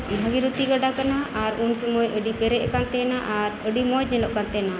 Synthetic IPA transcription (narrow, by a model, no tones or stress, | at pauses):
bʱəɡiɾut̪iɡaɖakanaaɾunsəmɔjʔəɖipɛɾɛʔ̚kant̪ɛnaʔaɾəɖimɔd͡ʒ̚ɲɛlɔʔkant̪ɛna